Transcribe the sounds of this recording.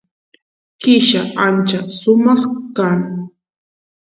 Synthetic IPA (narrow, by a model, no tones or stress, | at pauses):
kɪʃaʔant͡ʃasʊmɑχkaŋ